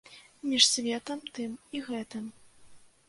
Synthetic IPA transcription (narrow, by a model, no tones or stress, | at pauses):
mʲiʂsʲvʲɛt̪ɐmt̪ɨmiɣɛt̪ɨm